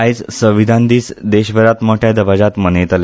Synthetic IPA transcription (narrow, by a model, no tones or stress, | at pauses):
ajt͡ssəʋid̪ʱãnd̪iːt͡sd̪eɕʋəɾat̪moʈʰjad̪əʋad͡ʑat̪mənet̪ale